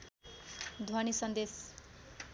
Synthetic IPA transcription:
d̪ʱanisʌnd̪es

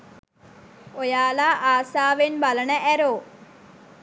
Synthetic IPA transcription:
ojaːlaːʔaːsaːʋenbɐlɐɳɐʔɛɾoː

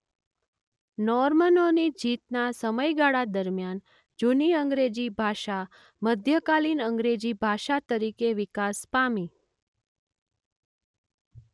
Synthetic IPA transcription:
nɔɾmənonid͡ʒit̪nasəməjɡaɭad̪əɾmjan | d͡ʒuniəŋɡɾed͡ʒibʱaʃa | məd̪ʱjəkalinəŋɡɾed͡ʒibʱaʃat̪əɾikeʋikaspami

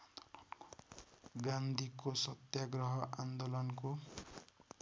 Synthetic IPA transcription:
ɡãnd̪ʱikosʌt̪jaɡrʌɦʌʔand̪olʌnko

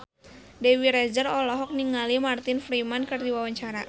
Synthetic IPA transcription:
dɛwiɾɛd͡ʒərɔlɔɦɔk̚niŋalimart̪ɪnfɾimankɨrdiwawaɲt͡ʃaɾa

